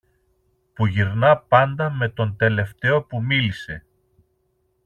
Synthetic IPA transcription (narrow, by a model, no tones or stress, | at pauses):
puʝiɾnɐpɐnd̪ɐme̞t̪o̞nt̪e̞le̞ft̪e̞o̞pumilise̞